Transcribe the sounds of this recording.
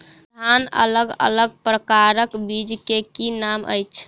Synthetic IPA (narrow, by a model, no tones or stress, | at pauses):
d̪ʱanə̰ləɡə̰ləɡ̚pɾəkaɾəkbid͡ʒkekinamʔə̰jt͡ʃʰ